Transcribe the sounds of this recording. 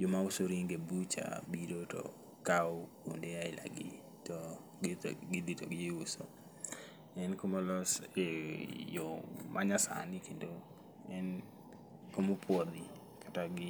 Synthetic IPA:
jomausoɾiŋɡebut͡ʃa̰biɾotɔ̰ | kawko̰ndeaɪla̰ɡɪ | tɔ | ɡɪd̪itɔɡɪuso̰ | ɛnkomolɔsejɔmʔaɲasa̰nɪkendo | ɛn | komopʰwɔd̪i | kʰḁtaɡɪ

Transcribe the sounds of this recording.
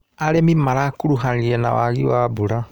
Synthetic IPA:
aɾemimaɾakuɾuɦaliɛna̰wa̰ɣḭwabuɾa

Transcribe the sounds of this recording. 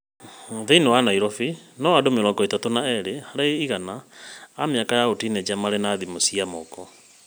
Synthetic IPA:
ðeinewanaiɾɔfinɔwadomeɾɔɡɔitatonaɛɾehaɾaiɣanaː | mejakajaotinɛd͡ʒamaɾɛnaðimosiamɔkɔ

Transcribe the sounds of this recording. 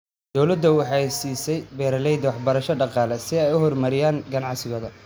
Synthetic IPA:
d̪̥ɔwlɐd̪ːɐwɑħɑɛjsiːsɛjbɛːɾɐlɛjd̪ɐwɑħbɐɾɐʃɐɖɑqɑːlɛsɪɛjʊhɔrmɐɾɪjaːŋɡɐnɑʕsɪɣɔːðɐ

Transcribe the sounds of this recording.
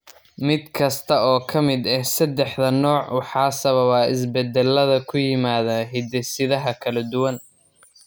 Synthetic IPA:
mɪd̪kʰɐst̪ʰɐɔːkʰɐmɪd̪ɛhsɐd̪ɛħðɐnɔːʕwɑħɑːsɐβɐβaːɪs̬bɛd̪ɛlːɐðɐkʰʊjɪmaːðaɦɪd̪ɛsɪðɐɦɐkʰɐlɐd̪ʊwɐn

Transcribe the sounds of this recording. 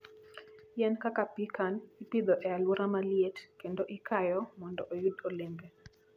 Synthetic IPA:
jɛnkakapikanipid̪ɔʔɛalwoɾamaljetkendoʔikajɔmɔndɔʔojudolɪmbe

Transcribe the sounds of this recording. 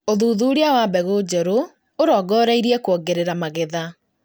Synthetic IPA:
oðuðuɾeawabɛɣod͡ʒɔɾo | oɾɔːɡɔːɾaiɾiɛkwɔɡeɾeɾamaɣeða

